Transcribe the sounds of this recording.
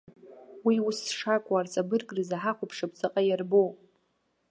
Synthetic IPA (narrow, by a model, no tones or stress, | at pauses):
wiʊsʂakʷʼart͡sʼabɨrɡʼrɨzaħaχʷʊpʰʂapʰʼt͡sʼɨqʼajarbo